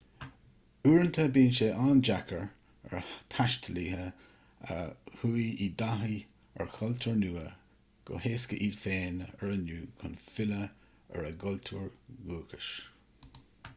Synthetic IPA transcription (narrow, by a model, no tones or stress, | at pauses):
uːɹənt̪ʰəbiːnʃeʔaːnd͡ʒakəɹ | ɛ̰ɹt̪ʰaʃtʰəliːɦə | ə̰huːiid̪aɦi | ɛ̰ɹkʰɔltʰuːɹnuːə | ɡ̥o̰heːskəʔiːlfeːnɛɹənuːkʰʊnfɪlə | ɛ̰ɹəɡɔlt̪ʰuːɹɡuːkəʃ